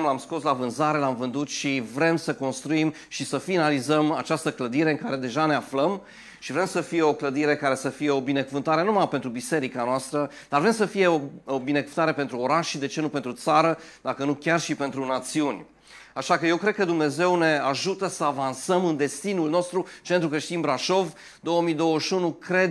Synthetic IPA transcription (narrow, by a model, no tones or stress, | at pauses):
mlamsko̞slavɨnzaɾe̞lamvɨnd̪ut̪ʃivɾe̞msəko̞nst̪ɾuim | ʃisəfinalizəma̰t͡ʃast̪əkləd̪iɾe̞ɨŋkaɾe̞d̪e̞ʒane̞afləm | ʃivɾe̞msəfije̞o̞kləd̪iɾe̞kaɾe̞səfije̞o̞bine̞kuvɨnt̪aɾenumapent̪ɾubise̞ɾikanoast̪ɾəd̪arvɾe̞msəfije̞oobinekuvɨnt̪aɾe̞pent̪ɾuo̞ɾaʃid̪e̞t͡ʃe̞nupent̪ɾut̪saɾəd̪̥akənukʲarʃipe̞nt̪ɾunat̪siunʲ | aʃakəje̞wkɾed̪̚kəd̪umne̞ze̞wne̞aʒut̪əsəavansəmɨnd̪e̞st̪inulno̞st̪ɾut͡ʃent̪ɾukɾe̞ʃt̪inbɾaʃo̞v | d̪o̞wəmijd̪o̞wəʃunukɾe̞d̪